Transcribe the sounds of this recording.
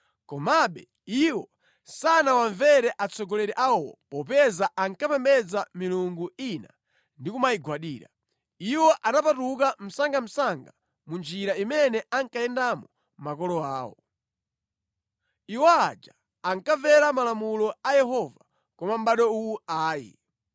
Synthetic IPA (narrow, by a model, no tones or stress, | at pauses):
kɔmaɓɛ̰ | iwɔ | sanawaɱvɛɾɛʔat͡sɔɡɔlɛɾɛʔawɔ̰pɔp̬ɛzaʔaŋkapɛmbɛd͡zamiluŋɡuina | ndikumaiɡwaɗiːɾa̰ | iwɔʔanapatuk̬am̩saŋɡam̩saŋɡa | mund͡ʒiɾaimɛnɛʔaŋkajɛndamɔ | makɔlɔaːwɔ̰ | iwɔa̰d͡ʒa | aŋkavɛɾamalamulɔajɛɦɔva | kɔmam̩ɓaɗɔuwuaːjḭ